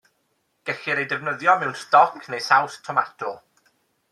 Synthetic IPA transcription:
ɡ̥ɛɬiɾejdɛvnəðjɔmɛwnstɔkʰnejsawstʰɔmatʰɔlˠ

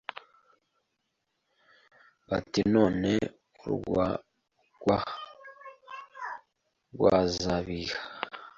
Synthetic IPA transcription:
βa̰tino̞ːne̞ | uɾuɡwa | ɡ̥wa | ɡwa̰zaβiha

